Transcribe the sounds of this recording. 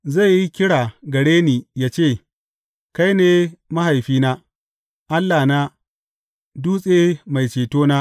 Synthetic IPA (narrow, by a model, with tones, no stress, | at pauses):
za˦˨jji˦kʲɪ˦ɽaː˨ɡɐ˨ɽeː˦niː˨jaː˦t͡ʃeː˦˨ | ka˦jneː˦ma˦ɦa˨jɸiː˦naː˦ | ʔa˦lːaː˨naː˦ | duː˦sʼeː˦ma˨jt͡ʃeː˨toː˦naː˦ʔ